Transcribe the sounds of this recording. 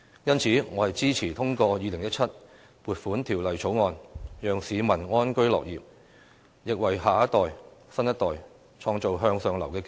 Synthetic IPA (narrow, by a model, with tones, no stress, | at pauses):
jɐ˥nt͡sʰiː˨˥ŋɔː˨˧hɐ˨jt͡siː˥t͡sʰiː˨˩t̪ʰʊ˥ŋkɔː˧jiː˨˧lɪ˨˩ŋjɐ˥t̚t͡sʰɐ˥t̚ | puː˨t̚fuː˨˥nt̪ʰiː˨˩wlɐ˨jt͡sʰo˨˥wŋɔː˧njœː˨˧ŋsiː˨˧mɐ˨˩nŋɔː˥nkɵ˥ɥlɔ̰ː˨k̚jiː˨p̚ | jɪ˨k̚wɐ˨˩jɦaː˨ɐ˥t̪ɔː˨jsɐ˥njɐ˥t̪̚ɔː˨˩j | t͡sʰɔː˧ŋt͡so˨wɦœː˧ŋsœː˧ŋlɐ˨˩wkɛː˧k